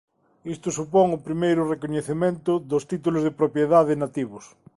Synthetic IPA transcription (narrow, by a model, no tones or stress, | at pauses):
ist̪ʊsupoŋʊpɾimejɾʊrekoɲeθemẽnt̪ʊðost̪it̪ulozðepɾopjeðaðenat̪iβʊs